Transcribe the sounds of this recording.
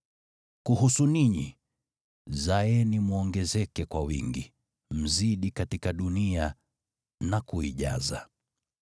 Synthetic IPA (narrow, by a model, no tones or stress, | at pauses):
kuɦusuniɲḭ | zaɛnimuɔŋɡɛzɛkɛkwawḭŋɡi | m̩ziɗikatikaɗunia | nakuiʄa̰za̰